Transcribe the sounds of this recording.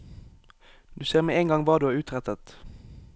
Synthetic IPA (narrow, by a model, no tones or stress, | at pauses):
d̪ʉːseːʁmeːeːŋɡɑŋʋɑːd̪ʉːæːʁʉːt̪ʁɛt̪ət̪